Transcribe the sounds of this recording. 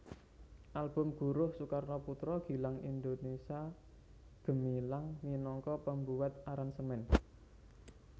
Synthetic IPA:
ʔalb̥ʊ̤mɡ̥ṳɾʊhsukarːɔput̪ɾɔɡ̥i̤laŋind̪onesia | ɡ̥ə̤milaŋminɔŋkɔpəmbuwat̪̚aɾansəmɛn

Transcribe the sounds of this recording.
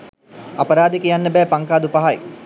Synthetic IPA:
a̰pɐɾaːd̪ekəjanːəbɛːpaŋkaːd̪upaɦaj

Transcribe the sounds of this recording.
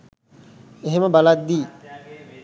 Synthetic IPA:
eɦeməbalat̪̚d̪iː

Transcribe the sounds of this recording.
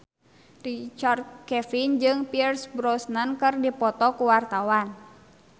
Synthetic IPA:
rit͡ʃard̪̚kɛfind͡ʒɨŋpirsbɾɔsnankɨrdipɔt̪ɔkuwart̪awan

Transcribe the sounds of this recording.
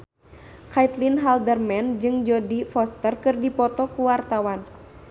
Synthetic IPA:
kajt̪linɦaldərmɛnd͡ʒɨŋd͡ʒɔdifɔst̪ərkɨrdipɔt̪ɔkuwart̪awan

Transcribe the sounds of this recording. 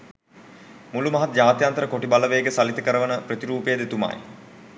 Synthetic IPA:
mulumɐɦat̪̚d͡ʒaːt̪jant̪əɾəkoʈibaləʋejːɡəsalit̪əkəɾəʋənəprət̪iɾuːpejd̪et̪uma̰j

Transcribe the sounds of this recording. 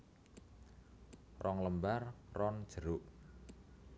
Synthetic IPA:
rɔŋləmbarrɔnd̥ʒ̥əɾʊʔ

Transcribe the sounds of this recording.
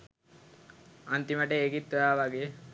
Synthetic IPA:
ant̪iməʈeːkit̪ːojaːʋaɡe

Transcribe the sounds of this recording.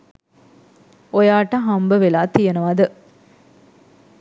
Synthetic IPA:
ojaːʈɐɦambəʋelaːt̪ijenəʋad̪ə

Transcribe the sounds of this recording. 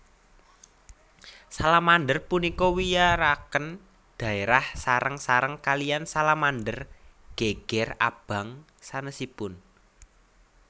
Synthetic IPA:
salamandərpunikɔwijaɾakən | d̪̥a̤eɾahsaɾəŋsaɾəŋkaliansalamandərɡ̥eɡ̥ɛra̰b̥a̤ŋ | sanəsipʊn

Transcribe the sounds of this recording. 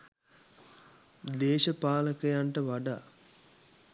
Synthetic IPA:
d̪eːʃɐpaːləkɐjaɳʈəʋaɖa

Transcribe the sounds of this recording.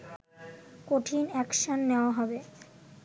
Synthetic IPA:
koʈʰinɛkʃonːeoaɦɔbe

